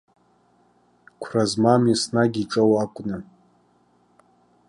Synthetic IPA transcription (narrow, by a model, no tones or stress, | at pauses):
kʷʰrazmamisnaɡʲiʈ͡ʂʼowakʷʼna